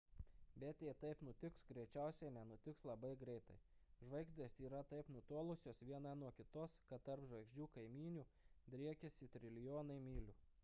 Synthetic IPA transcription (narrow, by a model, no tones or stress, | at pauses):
bʲɛt̪ʲeːt̪ɐɪpnʊt̪ʲɪksɡɾʲɛɪt͡ʃʲæˑʊsʲɛɪnʲɛnʊt̪ʲɪkslˠɐbɐɪɡɾʲɛɪt̪ɐɪʒʋɐɪɡzʲd̪ʲeːsiːɾɐt̪ɐɪpnʊt̪oɔlˠʊsʲoːsʋʲiɛnɐnuɔkʲɪt̪oːskɐt̪t̪ɐɾpʒʋɐɪɡʒʲd͡ʒʲuːkɐɪmʲiːnʲuːd̪ʲɾʲiɛkʲɛsʲɪt̪ʲɾʲɪlʲɪjoːnɐɪmʲiːlʲuː